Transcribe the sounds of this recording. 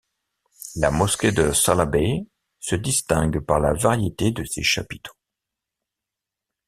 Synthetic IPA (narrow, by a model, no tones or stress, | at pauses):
lamɔskʲed̪əsalabe | səd̪ist̪ɛ̃ɡpaʁlavaʁjet̪ed̪əsḛʃa̰pi̥t̪ʰo̥